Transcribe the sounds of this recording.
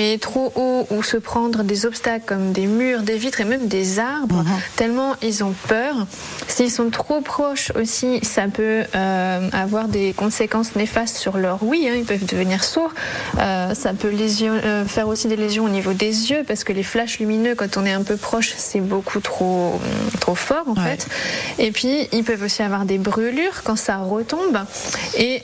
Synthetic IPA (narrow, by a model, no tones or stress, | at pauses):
mɛt̪χoʔousəpχɑ̃d̪ʁəd̪ezɔpst̪aklkɔmd̪emyʁd̪evit̪χemɛmd̪ezaʁbʁət̪ɛlmɑ̃ilzɔ̃pœʁ | silsɔ̃t̪χopχɔʃo̰sisapøøavwaʁd̪ekɔ̃sekɑ̃snefast̪syʁlœʁwiɛ̃ilpœvd̪əvəniʁsuʁøsapølezjɔfɛʁosid̪elezjɔ̃onivod̪ezjøpaʁsə̥kəleflaʃlyminøkɑ̃t̪ɔ̃nɛɛ̃pøpχɔʃsɛbokʰut̪χot̪χofɔʁɑ̃fɛt̪epɥiilpœvosiavwaʁd̪ebʁylyːʁkɑ̃saʁət̪ɔ̃be